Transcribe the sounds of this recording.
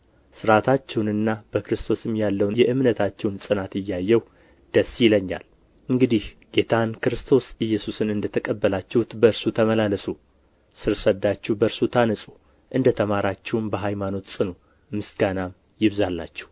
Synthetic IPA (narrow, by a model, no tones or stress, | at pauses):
sɨɾat̪ʰat͡ʃːɛwnɨnːab̥əkɾɨst̪ʰo̞sɨmjalːəwnjɛʔɨmnət̪ʰat͡ʃːɛwnsʼɨnat̪ɪjːajːɛw | d̪̥əsːjɪləɲːa̰l | ʔɨŋɡɨd̪ih | ɡ̥e̞t̪ʰankɾɨst̪ʰo̞sɨjːɛsusɨnɨnd̪ət̪ʰəkʼəbːəlat͡ʃːɛwʊt̪bəɨɾsut̪ʰəməlaləsu | sɨɾsəd̪ːat͡ʃːɛwbəɾsut̪ʰanəsʼu | ʔɨnd̪ət̪ʰəmaɾat͡ʃːɛwmbəɦajmano̞t̪sʼɨnu | mɨsɡanam | jɪβzalːa̰t͡ʃːɛ̥w